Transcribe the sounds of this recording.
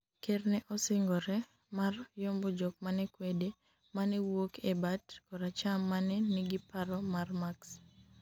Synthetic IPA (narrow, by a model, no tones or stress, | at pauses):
kernɛʔɔsɪŋɡɔɾɛ | marjɔmbɔd͡ʒɔk̚manɛkwede | manɛwokʰebatkɔɾat͡ʃamːanɛniɡipaɾɔmarmaks